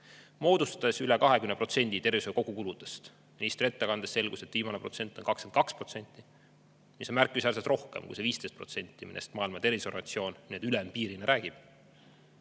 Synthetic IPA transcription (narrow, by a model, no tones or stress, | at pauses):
mo̞ːd̪̥ust̪ɑ̥d̪̥esylekɑɦe̞kymnepro̞t̪se̞nʲd̪it̪e̞rvisoko̞ɡ̥ukulud̪̥est̪ | minist̪ret̪ːekɑnd̪esːe̞lɡ̥use̞t̪ːˑviːmɑnepro̞t̪se̞nʲt̪ːˑo̞nkɑkskent̪kɑkspro̞t̪se̞nʲt̪ːˑi | miso̞nmærkːˑisærset̪rʔo̞hkemkṵjse̞viːst̪e̞jst̪̚pro̞t̪se̞nʲt̪ːˑiminʔest̪mɑːilmɑt̪e̞rviso̞ɾɑ̰t̪sio̞ːnniet̪ylempiːɾineɾʔæːɡ̥ib̥